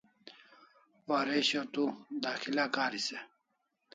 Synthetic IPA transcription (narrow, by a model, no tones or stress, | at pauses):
waɾeɕot̪ud̪aːxilakaːɾise